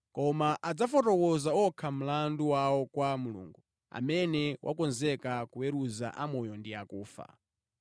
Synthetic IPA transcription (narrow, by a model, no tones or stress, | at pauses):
kɔmaʔad͡zafɔtɔkɔzaɔkʰam̩landuwawɔkwamulṵːŋɡu | a̰mɛnɛwʔa̰kɔnzɛkakuweɾuza̰ʔamɔjɔndiakuːfa̰